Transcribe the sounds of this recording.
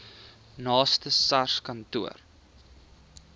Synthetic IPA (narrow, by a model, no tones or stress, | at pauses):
nɑːstəsɐrskɐntuər